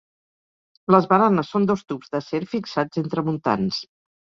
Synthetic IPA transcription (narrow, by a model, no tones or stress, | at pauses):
ləzβəɾanəsːond̪ost̪upzðəseɾfiksad͡zent̪ɾəmunt̪a̰ns